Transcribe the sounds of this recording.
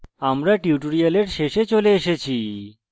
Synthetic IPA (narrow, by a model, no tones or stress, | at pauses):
amɾaʈiuʈoɾialeɾʃeʃet͡ɕoleeʃet͡ɕʰi